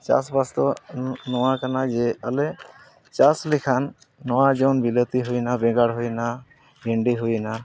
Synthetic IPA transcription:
t͡ʃa̰sbast̪ɔnɔwakanad͡ʒɛale | t͡ʃaslikʰanː | ɔwad͡ʒɔwnbilət̪iɦujnabɛɡaɽɦujna | bʱeɳɖiɦujna

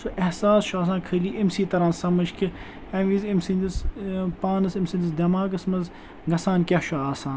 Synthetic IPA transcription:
suʔɐhsaːsʃaːs̬ãːnkʰɐliːʔimsiːt̪ɐɾaːnsɐmɐʃki | ɐ̃ʋiːzimsind̪ispaːnɐsimsind̪isd̪ɐmaːɡɐsmɐz | ɡɐsaːnkʲɐhʃʰoaːsãːn

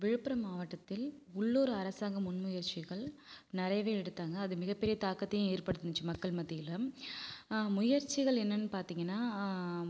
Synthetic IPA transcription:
ʋɪɻɯpːɯɾɐmaːʋɐʈːɐt̪ːɪlʊɭːoːɾɯɐɾɐsaːŋɡɐmʊnmʊjɐɾt͡ʃɪɣɐɭnɪɾɐɪʋeːɛɽɯt̪ːaːŋɡɐːðɯmɪɣɐpːɛɾɪjɐt̪aːkːɐt̪ːɐjʊ̃eːɾpɐɽɯt̪ːɯnd͡ʒɯmɐkːɐɭmɐðːɪjɪlɐ | mʊjɐɾt͡ʃɪɣɐɭɛnːɐnːɯpaːɾt̪iːŋɡɐnːaː

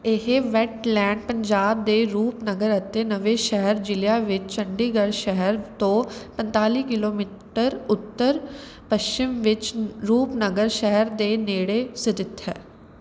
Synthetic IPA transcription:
ɪɦeʋɛʈlɛ̃ːɳɖ̚pə̃ɲd͡ʒaːb̚d̪eːɾuːpnəɡəɾət̪ːeːnəʋeːʃɛɦəɾd͡ʒɪljaːʋɪt͡ʃt͡ʃəɳɖiːɡəɽʃɛɦəɾt̪õːpə̃nt̪aːliːkɪloːmiːʈəɾʊt̪ːəɾ | pəʃt͡ʃɪmʋɪt͡ʃɾuːpnəɡəɾʃɛɦəɾd̪eːneːɽeːsɪt̪ɪt̪ɦɛː

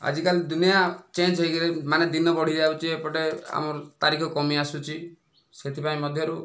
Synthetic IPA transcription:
a̰d͡ʒikalid̪unijat͡ʃend͡ʒɦejkilemaned̪inɔbɔɽ̤id͡ʒawt͡ʃʰiepɔʈea̰mɔɾt̪aɾikʰɔkɔmiasut͡ʃʰi | set̪ʰipaĩmɔd̪ʱjɔɾu

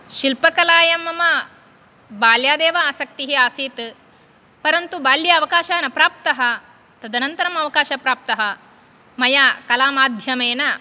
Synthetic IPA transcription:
ʃilpɐkɐlaːjɐmɐmɐ | baːljaːd̪eːʋɐaːsɐk̚t̪iɦiaːsiːt̪ | pɐɾɐnt̪ubaːljɐːʋɐkaːʃaːnɐpɾaːp̚t̪ɐɦɐ | t̪ɐd̪ɐnɐnt̪ɐɾɐmɐʋɐkaːʃɐpɾaːp̚t̪ɐɦɐ | mɐjaːkɐlaːmaːd̪ʱjɐmeːnɐ

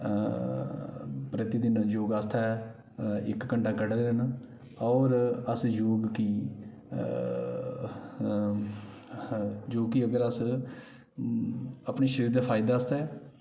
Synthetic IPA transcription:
pɾət̪id̪ɪnjoːɡast̪ʰaː | ɪkːəɳɖaːkəɖəlɾən | ɔːɾəsjoːɡki | d͡ʒoːkiəɡəɾəs | əpniːʃəɾiːɾd̪aːpʰaːɪd̪aːəst̪ɛː

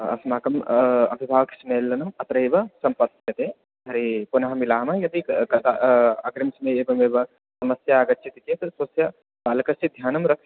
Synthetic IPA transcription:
ɐ̰smaːkɐmɐ̰bʱibʱaːʋɐksmeːlːɐnɐmɐt̪ɾɐebɐsɐmpɐt̪ːjɐt̪eː | ɦɐɾepunaɦɐmilaːɦmɐjɐt̪ikɐt̪aɐɡɾimsmeeːbɐmeːbɐ | sɐmɐsjaːɡɐtːt͡ʃʰit̪it͡ʃet̪sɐsjɐ | baːlɐkɐsid̪ʱjaːnɐmɾɐkʰ

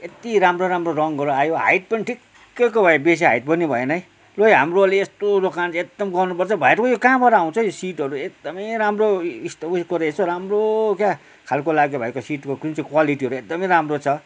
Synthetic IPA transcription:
et̪iɾamroɾamrorʌŋɡʱʌɾuajoɦa̰jʈ̚pʌniʈʰikː | ejkobʱʌebes̬iɦa̰jʈ̚bʌnibʱʌenʌj | lojɦamroleest̪od̪okand͡zek̚d̪ʌmɡʌrnupʌrt͡sʰʌbʱʌeɾʌkojokãːbʌɾʌːw̃t͡sʰʌjosiʈɦʌɾuek̚d̪ʌmʌjɾamroist̪ʌiskoɾeestoɾamrokja | kʰalkolaɡjobʱʌekosiʈkokrint͡sikwaliʈiɦʌɾuek̚d̪ʌmʌjɾamrot͡sʰʌ

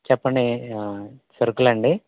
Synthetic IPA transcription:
t͡ʃɛpːɐɳɖi | sɐɾɡulɐɳɖi

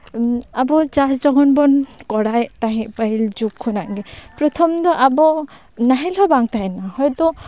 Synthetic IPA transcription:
abɔd͡ʒasd͡ʒɔɡɔnbɔnkɔɽajt̪aɦɛ̃ʔpaild͡ʒukʰːɔnaʔɡɛpɾɔt̪ʰɔmd̪ɔʔabɔ | naɦɛlɔbaŋt̪aɦɛnahɔjd̪ɔ

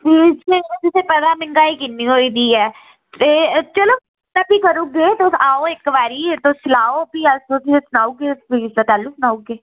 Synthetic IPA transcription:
piːsket̪ɪseːpɛd̪aːmɪŋɡaːiːkɪnːiːɦoːiːd̪iːɛː | t̪eːt͡ʃəloː | nəpiːkəɾuːɡeːt̪osaːoːɪkʋaːɾiːt̪osɪlaːoːpiːəsoːtiesʊnaːuɡeːpiːsat̪ɛːluːsʊnaːuːɡeː

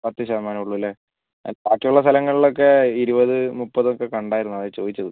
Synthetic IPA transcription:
pɐt̪ːɨɕɐɐmaːnɐuɭːuʋilːe | paːkːijuɭːɐs̬t̪ʰɐlɐŋːɐɭiɭo̞kːe̞iɾubɐðɨmupːɐðokːe̞kɐɳɖaːjiɾunːuɐðet͡ɕo̞ːðit͡ɕːɐðɨ

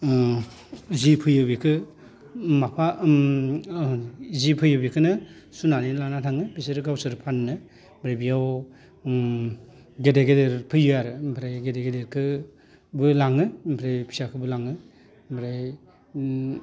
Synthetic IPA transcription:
zipʰɯjɯbikʰɯ | mapʰa | zipʰɯjɯbikʰɯnɯ | sunaninlanatʰaŋɯbiseɾɯɡawsɯɾpʰannɯ | bɾejbijaw | ɡedeɡedeɾpʰɯjɯjaɾɯmpʰɾajɡedeɡedeɾkʰɯ | bɯlaŋɯmpʰɾejpʰi̥sakʰɯbɯlaŋɯ | bʰɾaj

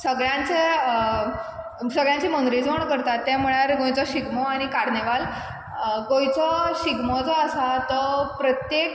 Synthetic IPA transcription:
səɡɭjãt͡se | səɡɭjãɲt͡ɕiːmənɡ̪ɾiːd͡zʋoɳkəɾt̪at̪ːɛ̃m̤əɭjaɾɡõjt͡sɔɕiɡmɔaɽ̃ikaɾneʋal | kõjt͡sɔɕiɡmɔt͡sɔːsat̪ɔpɾət̪jek

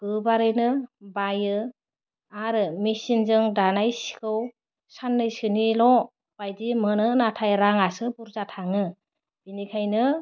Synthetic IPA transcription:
ɡ̥ɯbaɾɯjnɯbajɯ | aɾɯmisinzɯŋdanajsi̥kʰɯw | sanːɯjsɯnilɔ | b̥ajdimɯnɯnatʰajɾaŋasɯbuɾzatʰaŋɯ | b̥inikʰajnɯ

